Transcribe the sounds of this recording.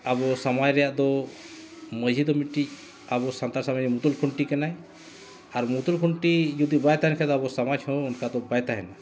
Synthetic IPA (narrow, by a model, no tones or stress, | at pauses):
abɔsamad͡ʒɾɛjaʔd̪ɔ | məd͡ʒʱid̪ɔmiʈːic̚ | abɔsant̪aɾsamanimut̪ulkʰuɳʈikɛnaj | aɾmut̪ulkʰuɳʈijud̪ibajt̪aɦɛnkʰɛd̪ɔabɔsamad͡ʒhɔ̃unkad̪ɔbajt̪aɦɛna